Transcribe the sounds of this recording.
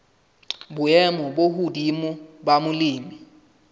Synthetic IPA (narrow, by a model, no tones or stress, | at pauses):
ɓʊɛmɔɓohudimuɓamuliːmi